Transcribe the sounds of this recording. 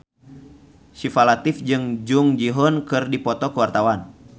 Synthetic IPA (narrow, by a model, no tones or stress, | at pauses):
sifalat̪ifd͡ʒɨŋd͡ʒuŋd͡ʒiɦɔnkɨrdipɔt̪ɔkəwart̪awan